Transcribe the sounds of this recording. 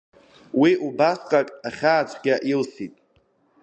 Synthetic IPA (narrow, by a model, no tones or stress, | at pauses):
wiʔubasqʼakʼaχʲaːt͡ʃʷʰʼɡʲaʔilsitʼ